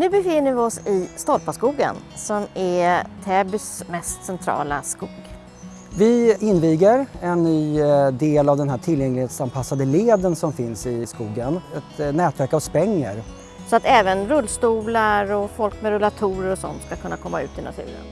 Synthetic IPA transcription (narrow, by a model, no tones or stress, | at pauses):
nʉ̟ːbɛfɪnːəɾvɪɔsɪst̪ɔɾpaskuːɡə̰nsɔmɛt̪ʰɛːbʏsmɛst̪sɛnt̪ʰɾɑ̰ːla̰skuːɡ | vɪɪnːviːɡəɾɛnːyːd̪eːlavd̪ɛnɦæːʈʰɪljɛŋlɪheːt̪sanpʰasːad̪əleːd̪ənsɔmfɪnsɪskuːɡənɛt̪nɛːt̪væɾkavspɛŋːəɾ | sɔat̪ɛːvənɾɵlːst̪uːlaɾɔfɔlkmɛɾɛlat̪ʰuːɾəɾɔsɔ̰nt̪skakʰɵnːakʰɔmːa̰ʉ̟̰ːt̪ɪna̰t̪ʰʉ̟̰ːɾə̰n